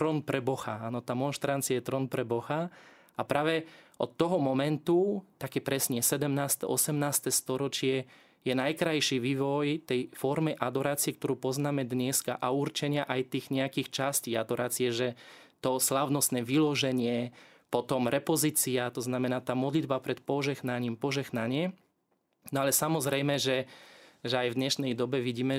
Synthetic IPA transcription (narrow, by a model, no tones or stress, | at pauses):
t̪ɾɔnpɾɛbɔxaaːnɔt̪aːmɔnʃt̪ɾant͡siajɛt̪ɾɔnpɾɛbɔxa | apɾaːʋɛʔɔ̰t̪ːɔɦɔmɔmɛnt̪ut̪akɛpɾɛsɲɛsɛd̪ɛmnaːst̪ɛ̰ʔɔ̰sɛmnaːst̪ɛst̪ɔɾɔt͡ʃɪɛ | jɛnajkɾajʃiʋiːʋɔjt̪ɛjfɔɾmɛʔad̪ɔɾaːt͡siɛkt̪ɔɾuːpɔznaːmɛd̪ɲɛska̰ʔauɾt͡ʃɛɲɪaʔajt̪iːɣɲɛakiːxt͡ʃasciːad̪ɔɾaːt͡sijɛʒɛ | t̪ɔslaʊnɔst̪nɛʋilɔʒɛɲɪɛ | pɔt̪ɔmɾɛpɔziːt͡siat̪ɔznamɛnaːt̪aːmɔd̪lid̪bapɾɛt̪pɔʒɛɣnaɲiːmpɔʒɛɣnaɲɪɛ | nɔalɛsamɔzɾɛjmɛʒɛʒɛajvd̪ɲɛʃnɛjd̪ɔbɛʋiɟiːmɛ